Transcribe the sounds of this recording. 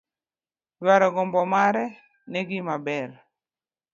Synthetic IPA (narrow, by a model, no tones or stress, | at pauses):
dwaɾɔɡɔmbɔmaɾɛ | nɛɡɪmabɛr